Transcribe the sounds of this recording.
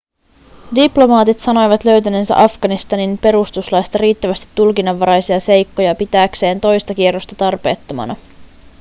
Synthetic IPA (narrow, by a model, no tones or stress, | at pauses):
diplo̞mɑːt̪it̪sɑno̞jʋɑt̪lø̞ɥt̪ænensæ̰ʔɑfɡ̥ɑnist̪ɑninpe̞ɾust̪uslɑjst̪ɑɾiːt̪ːæʋæst̪i̥t̪ːulkinɑʋːɑɾɑjsiɑse̞jkːo̞jɑpit̪æːkse̞ːnt̪o̞jst̪ɑk̟ierːost̪ɑt̪ɑrpe̞ːt̪ːomɑ̰nɑ